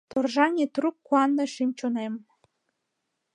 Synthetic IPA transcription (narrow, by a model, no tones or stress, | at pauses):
t̪orʒɑnʲet̪rukːuɑnːɤʃimt͡ɕonem